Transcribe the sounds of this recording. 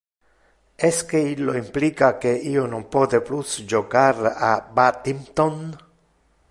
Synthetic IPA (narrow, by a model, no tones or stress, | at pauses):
ɛskeilːoimplikakeionompod̪eplusd͡ʒoɡaɾabat̪imt̪on